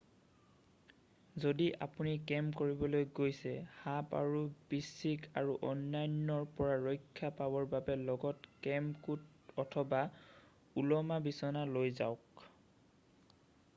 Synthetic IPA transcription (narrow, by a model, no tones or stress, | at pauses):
zodiʔa̰punikɛmkoɹibɔlojɡojsɛhapa̰ɹubisikʰaɹuʔɔnːajnːɔɹpɔɹaɹɔjkʰːapabɔɹbabɛlɔɡɔtkɛmkut | ɔtʰɔba | ulɔmabisɔnalojza̰ʊk